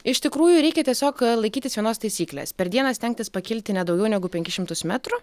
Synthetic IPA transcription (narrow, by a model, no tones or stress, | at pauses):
ɪʃt̪ʲɪkɾuːjʊɾʲɛɪkʲɛt̪ʲiɛsʲoːklˠɐɪkʲiːt̪ʲɪsʋʲiɛnoːst̪ɐɪsʲiːklʲḛːspʲɛɾd̪ʲiɛnɐsʲt̪ʲɛŋʲk̚ʲt̪ʲɪspɐkʲɪlʲt̪ʲɪnʲɛd̪ɒʊɡʲɛʊnʲɛɡʊpʲɛŋʲkʲɪʃʲɪmt̪ʊsmʲæt̪ɾʊ